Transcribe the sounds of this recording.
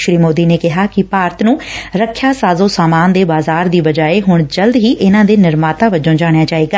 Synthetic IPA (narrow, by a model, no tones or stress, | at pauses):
ʃɾiːmoːd̪iːneːkɪɦaːkɪpaːɾt̪nũːɾəkʰːjaːsaːzõːsaːmaːnd̪eːbaːzaːɾd̪iːbəd͡ʒaːeːɦʊɳd͡ʒəld̪ɦiːʔɪnãːd̪eːnɪɾmaːt̪aːʋəd͡ʒõːd͡ʒaːɽ̃jaːt͡ʃaːiːɡaː